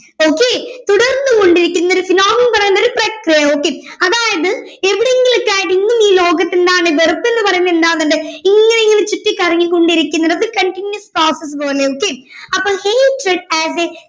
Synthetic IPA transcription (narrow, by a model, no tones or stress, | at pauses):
oːkːeːt̪uɽɐrnːɨko̞ɳɖiɾikʲːunːoɾufinoːmɐnpɐrɐjunːɐoɾuprɐkrijɐo̞ːkːe̞ː | ɐðaːjɐðɨ | eʋiɽeŋɡilokːaːjiʈːiŋːumiːlo̞ːɡɐt̪ːend̪aːɳɨberɐpːenːɨpɐrɐjunːɐend̪aːɐnːuɳɖɨiŋːɐne̞iŋːɐnet͡ɕutːikʲːɐrɐŋːilko̞ɳɖiɾikʲːunːɐðɐðɨkɐɳʈinjɐsproːsɐs̬po̞ːleoːkːeːɐpːoːlheːʈreɖæze